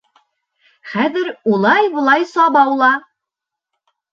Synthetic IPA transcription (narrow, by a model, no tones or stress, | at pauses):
χæðɘɾulˠɑjbŏlˠɑjsɑβɑwlˠɑ